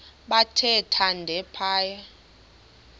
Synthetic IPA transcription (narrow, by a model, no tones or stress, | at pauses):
ɓatʰɛtʰandʱɛpʰaːja